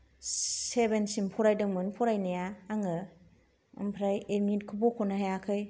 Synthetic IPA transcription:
sebensimpʰɔɾajdɯŋmɯnpʰɔɾajnejaːŋɯ | ɯmpʰɾajeɾmitkʰɯbokʰɔnahajakʰɯj

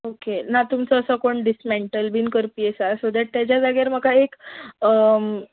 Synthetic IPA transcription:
okenat̪umt͡səəsəkoɳɖismɛɳʈəlbiːnkəɾpiesasod̪ɛʈ̚t̪jat͡ɕjad͡zaɡjeɾm̤əkaek

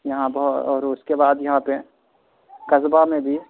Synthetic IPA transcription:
jɐɦãbɐɦɔːɾʊskebaːd̪jɐɦãpe | kɐzbamẽbʱi

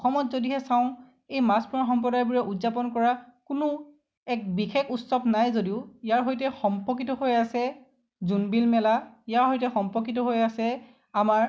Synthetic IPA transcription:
ɔxɔmɔtzodiɦɛsaʊ̃ | ejmaspuɹaxɔmp̬ɔdajbuɹɛʔudzapɔnkɔɹakʊnʊ | ɛk̚bixekʰutsɔbnajzodiʊijaɹɦojtɛxɔmpɔk̬itɔɦojasɛ | zunbilmɛla | ijaɹɦojtɛxɔmpɔkitɔɦojasɛ | amaɹ

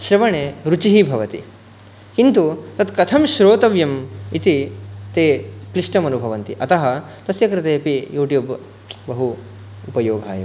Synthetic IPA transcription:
ʃɾɐʋɐɳeːɾut͡ʃiɦibʱɐʋɐt̪ḭ | kint̪ut̪ɐt̪kɐt̪ʰɐmʃɾoːt̪ɐʋjɐmit̪it̪eːkliʂʈɐmɐnubʱɐʋɐnt̪iʔɐt̪ɐɦɐ̆ | t̪ɐsjɐkɾit̪eːpijuːʈjuːb | bɐɦu | upɐjoːɡʱa̰ːjɐ̰m

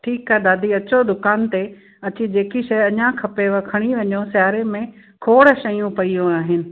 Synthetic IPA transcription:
ʈʰiːkaɦed̪aːd̪iɐt͡ɕod̪ʊkaːnt̪e | ɐt͡ɕid͡ʑeːkiʃɐjɐɲãkʰɐpeʋɐkʰɐɽ̃iʋɐɲosjaːɾemẽ | kʰoːɽʃɐjũpɐijõaːɦɪnɪ̆

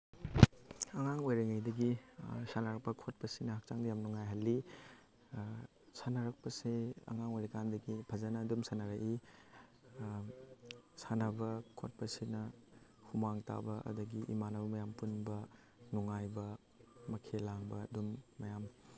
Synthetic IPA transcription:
ɐŋaŋojɾɐŋɐjdɐɡisanɐɾɐk̚pɐkʰot̚pɐsinɐhak̚t͡ʃaŋdɐjamnuŋajɦɐlːi | sanɐɾɐk̚pɐseɐ̰ŋaŋojɾɐkandɐɡipʰɐzɐnɐːdumsanɐɾɐkʔi | sanɐbɐkʰo̰t̚pɐsinɐ | humaŋta̰bɐʔɐ̰dɐɡiʔḭmanɐbɐmɐjampunbɐ | nuŋajbɐ | mɐkʰelaŋbɐdumːɐjam

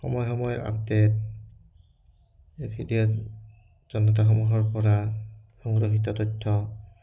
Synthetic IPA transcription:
xɔ̰mɔjxɔmɔjɔɹa̰bdet̚ | pʰidiɔ | z̥ɔnɔt̬axɔmuɹɦɔɹpɔɹa | xɔŋɡɹɔɦit̬ɔtɔtʰːɔ

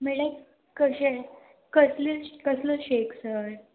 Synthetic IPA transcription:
meɭət͡s | kəɕe | kəslikəsləɕeksəɾ

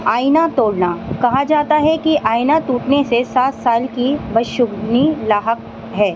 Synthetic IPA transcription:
aːɪnat̪oːɽnakɐɦad͡ʒaːt̪aɦɛkiʔaːɪnat̪uːʈnesesaːt̪saːlkibɐʃʊɡnilaːɦək | ɦɛː

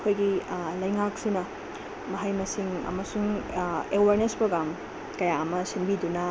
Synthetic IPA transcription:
kʰojɡilɐjŋak̚sinɐ | mɐɦajmɐsiŋɐ̰mɐsuŋewaɾnespɾoɡɾam | kɐjaɐmɐsinbidunɐ

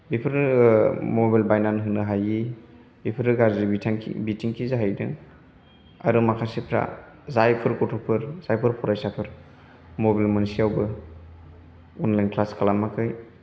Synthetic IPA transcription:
bipʰɯɾ | mobalbajnanɦɯnɯɦaji | bipʰɯɾɯɡaɾzibitʰŋ̰bitʰiŋkʰizaɦajdɯ̰ | a̰ɾɯmakʰasepʰɾa̰ | zajpʰɯɾkɔtʰɔpʰɯɾzajpʰɯɾpʰɔɾajsapʰɯɾ | mobalmansiawbɯ | ɔnlajnkʰlaskalamːakʰɯj

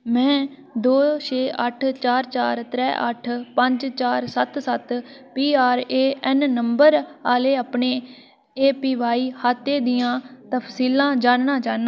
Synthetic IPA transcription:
mɛ̃ː | d̪oːt͡ʃeːʔəʈʰt͡ʃaːɾt͡ʃaːɾt̪ɾɛːʔə̰ʈʰpəɲd͡ʒt͡ʃaːɾsət̪sət̪piːaːɾeːʔɛnnəmbəɾaːleːaːpɳeː | eːpiːʋaːiːhaːt̪ːeːd̪ijãːt̪əpʰsiːlãːd͡ʒaːnnãːt͡ʃaːnːaː

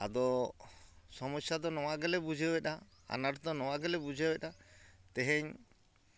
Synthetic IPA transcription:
a̰d̪ɔ | sɔmɔsjad̪ɔnɔwaɡɛlɛbud͡ʒʱɛɛta | a̰naʈd̪ɔnɔwaɡɛlɛbud͡ʒʱɛɛtat̪ɛɦɛɲ

